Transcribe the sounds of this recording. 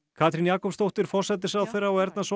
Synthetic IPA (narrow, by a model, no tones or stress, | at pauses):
kʰaːt̪ʰɾinjaːkɔpst̪owht̪ɪɾ̥fɔr̥sɛt̪ɪsaðθejɾːaɔɛɾt̪nas